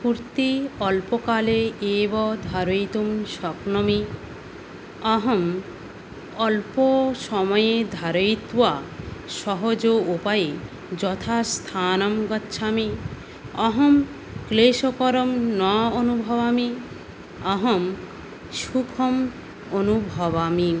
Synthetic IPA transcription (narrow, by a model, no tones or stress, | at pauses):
kuɾt̪iɔlpokaleebɔd̪ʱaɾojt̪umʃɔknɔmi | ɔɦɔm | ɔlpoʃɔmɔjed̪ʱaɾojt̪waʃɔɦod͡ʑoupaje | d͡ʑɔt̪ʰast̪ʰanɔmɡɔtːʃʰami | ɔɦɔm | kleʃokɔɾɔmnɔonubʱɔbami | ɔɦɔm | ʃukʰɔm | onubʱɔbami